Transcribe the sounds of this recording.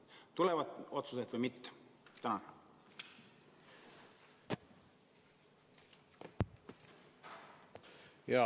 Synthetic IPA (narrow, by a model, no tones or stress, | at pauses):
t̪uleʋɑt̪ot̪suset̪ʋɑmit̪ːæ̥t̪ænɑn | jɑ